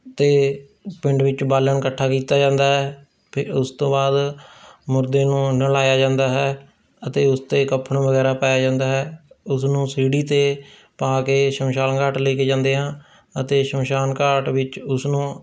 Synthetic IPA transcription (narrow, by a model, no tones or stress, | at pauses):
t̪eː | pɪɳɖʋɪt͡ʃbaːləɳkəʈʰːaːkiːt̪aːd͡ʒãːnd̪aːɦɛː | pʰɪɾʊst̪õːbaːd̪mʊɾd̪eːnũːnəlaːjaːd͡ʒãːnd̪aːɦɛː | ət̪eːʊst̪eːkəpʰəɳʋəɡɛːɾaːpaːjaːd͡ʒãːnd̪aːɦɛːʊsnũːsiːɽiːt̪eː | paːkeːʃəmʃaːlkaːʈleːkeːd͡ʒãːnd̪eːɦãː | ət̪eːʃəmʃaːnkaːʈʋɪt͡ʃʊsnũː